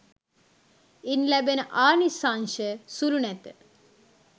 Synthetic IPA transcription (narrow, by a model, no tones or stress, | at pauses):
inlæbenəʔaːnisanʃəsulunɛt̪ə